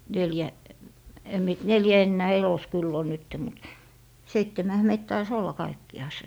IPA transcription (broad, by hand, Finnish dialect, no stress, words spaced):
neljæ em mie t neljæ enːæː elos kylː on nytːe mut seitːemæhæ meit tɑis olːɑ kɑikːiɑˑse